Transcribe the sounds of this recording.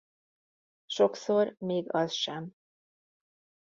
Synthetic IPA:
ʃo̞ksormeːɡɒzʃɛm

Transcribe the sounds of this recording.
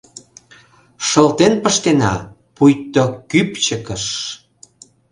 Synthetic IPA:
ʃəlt̪enpəʃt̪enɑ̰ | pujt̪okypt͡ɕəkəʃ

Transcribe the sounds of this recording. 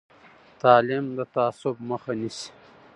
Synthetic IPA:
t̪ɑːlimd̪ət̪aːsʊbməxanisi̥

